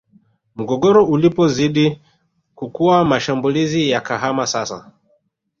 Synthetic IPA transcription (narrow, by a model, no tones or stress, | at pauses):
m̩ɡɔɡɔɾɔulipɔziɗi | kukuwamaʃambulizijakaɦamasasa̰